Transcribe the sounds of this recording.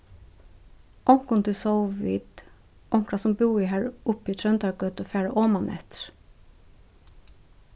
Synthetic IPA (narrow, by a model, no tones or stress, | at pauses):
ʔɔŋkʊnt̪ʰɪsoʊʋḭːd̪ | ʔɔŋkɹɑsɔmbuːiːhæːɹʔʊpiːt̪ʰɹœnt̪ɑɡœt̪oːfæːɹə̰ʔoːmɑnʔɛ̰t̪ɾ